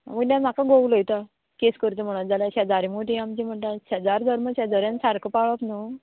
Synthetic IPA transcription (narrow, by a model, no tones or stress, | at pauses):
a̰məɡnam̤akaɡowləjt̪a | keskəɾt̪əm̤əɽ̃ad͡zalaɕad͡zaɾimoʈʰiamt͡ɕim̤əɳʈ̪aɕad͡zaɾd̪ʱəɾmət͡ɕad͡z̪ʱəɾjansaɾkʰəpaɭəpno